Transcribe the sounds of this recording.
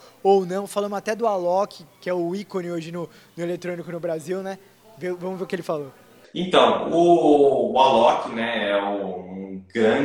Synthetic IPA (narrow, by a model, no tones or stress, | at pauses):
ownɐ̃w̃falɐ̃mʊat̪ɛd̪ʊalɔkɪkɪɛʊikõnɪoʒɪnʊ | nʊelet̪ɾõnikʊnʊbɾaziwnɛ | vevɐ̃mʊveɾʊkɪelɪfalo | ẽt̪ɐ̃w̃ʊː | alɔkɪnɛɛʊũɡɾɐ̃